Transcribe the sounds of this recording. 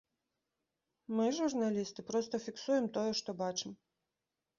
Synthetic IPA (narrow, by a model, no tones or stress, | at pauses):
mɨʐurnalʲist̪ɨpɾɔst̪ɐfʲiksujɛmt̪ɔjɛʂt̪ɔbat͡ʂɨm